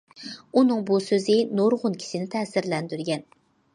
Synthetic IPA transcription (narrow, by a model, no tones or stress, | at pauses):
unɨŋbusøzɪnoɾʁʊnkʲʰi̥ʃɪnɪt̪ʰɛːsɪɾlɛnd̪yɾɡʲɛn